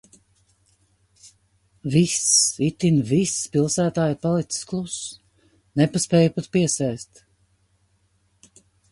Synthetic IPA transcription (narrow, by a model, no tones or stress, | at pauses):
visit̪invispilˠsæːt̪aːjpalˠit̪si̥sklˠus | nepaspɛːjupat̪piɛsɛjst̪